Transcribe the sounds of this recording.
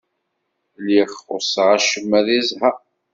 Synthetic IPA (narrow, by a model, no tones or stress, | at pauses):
liχʊɾsʁaʃəmːæðizha